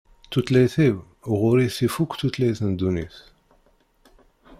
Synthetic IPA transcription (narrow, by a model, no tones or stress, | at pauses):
t̪ːut̪læjθiw | ʁʊɾiθifukʷːt̪ut̪læjθnd̪uniθ